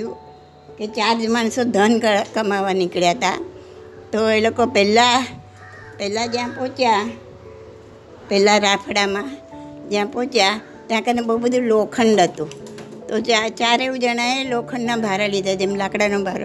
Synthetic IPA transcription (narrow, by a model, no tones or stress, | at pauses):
ũ | ket͡ʃaɾd͡ʒmansod̪ʱənkkəmaʋanɪkɭjat̪a̰ | t̪oelokopɛla | pɛlad͡ʒjãpot͡ʃja | pɛlaɾapʰɽamãd͡ʒjãpõt͡ʃja | t̪jãkənebəɦubəd̪ʱũlokʰəɳɖət̪ũt̪ot͡ʃat͡ʃaɾeʋũd͡ʒəɽ̃ajelokʰəɳːãbʱaɾalid̪ʱad͡ʒemlakɽanõbʱaɾo